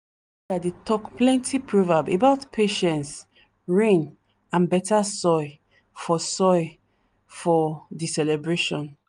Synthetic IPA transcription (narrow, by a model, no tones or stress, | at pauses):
dadetʰɔkplɛ̃ntʰipʰɹovabḛbaʊtpʰeʃɛ̃nts | ɹẽn | ãnbɛtasɔɪ | fɔsɔɪ | fɔdisɛlɛbɹeʃɔ̃n